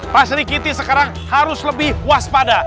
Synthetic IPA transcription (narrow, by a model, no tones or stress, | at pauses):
pasɾikit̪isəkaɾaŋ | haɾʊsləbɪhwaspada